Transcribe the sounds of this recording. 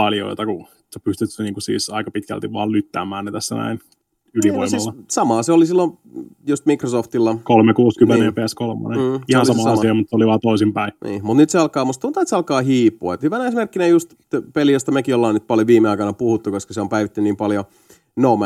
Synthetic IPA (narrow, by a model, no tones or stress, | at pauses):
pɑljo̰it̪ɑku | sepyst̪yt̪sniːŋkusḭːsɑikɑpit̪kæ̰lt̪iʋɑ̰ːllyt̪ːæ̰ːmæːnːet̪æsːænæ̰in | ylio̰imlːɑsɑmɑːseolisilːo | just̪mikrosoft̪ilːɑkolmekuːskymːenepeæskolmɑ̰nen̩ːihoɑnɑmɑsɑsiɑmut̪seoliʋɑːt̪oisimpæinḭːmut̪nyt̪seɑlkɑːmust̪unt̪ɑet̪seɑlkɑːhiːpːuɑet̪hyʋænesmerkːinejust̪ | pelijost̪ɑmekiolːɑːnyt̪pɑljoʋiːmeɑikɑnɑpuhut̪ːukoskɑseompæiʋit̪ːynniːmpɑljo | nomæ